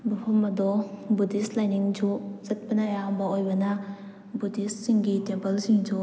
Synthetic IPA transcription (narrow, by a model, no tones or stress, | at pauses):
bupʰɐmɐdɔbudislajniŋd͡ʒuzɐt̚pɐnɐjaɦɐmbɐojbɐnɐ | budissiŋɡitempɐlsiŋd͡ʒu